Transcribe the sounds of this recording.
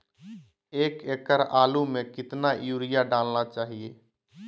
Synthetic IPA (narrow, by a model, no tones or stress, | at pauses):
eːkeːkəɾaːlumẽkɪt̪najuːɾɪjaɖaːlnat͡ʃaːɦieː